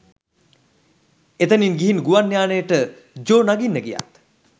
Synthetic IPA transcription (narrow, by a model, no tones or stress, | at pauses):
et̪əninɡiɦinɡuʋanːjaːnəjəʈə | d͡ʒoːnaɡinːəɡija̰t̪